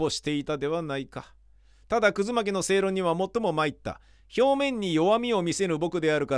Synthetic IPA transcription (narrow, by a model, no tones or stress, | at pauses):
o̞ɕi̥t̪e̞it̪ad̪e̞βanaika | t̪ad̪akɯ̟zɨmak̬ʲino̞se̞ːɾo̞ɲ̟iβ̞amo̞t̪ːo̞mo̞mait̪ːa̰ | ço̞ːmẽ̞ɲ̟ːijo̞βamʲio̞mʲise̞ɾɯ̟bo̞kɯ̟d̪e̞aɾɯ̟ka